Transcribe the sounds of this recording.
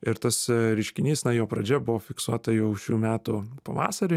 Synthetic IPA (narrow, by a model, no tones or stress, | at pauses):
ɪɾt̪ɐsɾʲɪʃʲkʲɪnʲiːsnɐjoːpɾɐd͡ʒʲɛbʊʋoːfʲɪksuɔt̪ɐjɛʊʃʲuːmʲæːt̪ʊpɐʋɑ̰ːsɐɾʲɪ